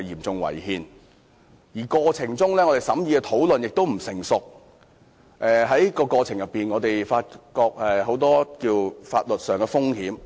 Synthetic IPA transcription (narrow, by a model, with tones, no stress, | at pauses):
jiː˨˩mt͡sʊ˨ŋwɐ̰˨˩jhiː˨n | jiː˨˩kɔː˧t͡sʰɪ˨˩ŋt͡sʊ˥ŋlɛː˥ŋɔ˨˧t̪e˨jsɐ˨˥mjiː˨˧kɛ˧t̪ʰo˨˥wlɵ˨njɪ˨k̚t̪o˥wm̩˨˩sɪ˨˩ŋsʊ˨k̚ | ʔɛː˨ɦɐ˨˥jkɔː˧kɔː˧t͡sʰɪ˨˩ŋjɐ˨pːiː˨nŋɔː˨˧t̪e˨jfaː˧t̚kɔː˧k̚ʔɛː˨ɦo˨˥wt̪ɔː˥kiː˧wfa̰ː˧t̚lɵ˨t̚sœː˨˩ŋkɛː˧fʊ˥ŋhiː˨˥m